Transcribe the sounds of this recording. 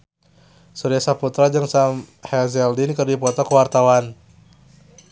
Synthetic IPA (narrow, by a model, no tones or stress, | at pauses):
suɾiasaput̪ɾad͡ʒɨŋsamhɛzɛldinkɨrdipɔt̪ɔkəwart̪awan